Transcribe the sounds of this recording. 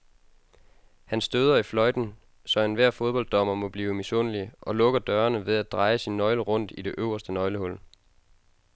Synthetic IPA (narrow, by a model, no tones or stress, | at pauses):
hænsd̥øð̞ˠɐiflɒ̽ɪd̥n̩ | sɒ̽enʋæɐ̰fo̝ð̞ˠb̥ɒ̽ld̥ɒ̽m̰ɐmɔ̽b̥liːʊmiso̝̰ːnəliʔɒ̽lɔ̽ɡ̥ɐd̥ɶːɐnəʋe̝ð̞ˠædd̥ʁɑ̈ɪəsinːɒ̽ɪləʁɔ̽n̰d̥id̥e̝ʔøʊɐsd̥ənɒ̽ɪləhɔ̽l̰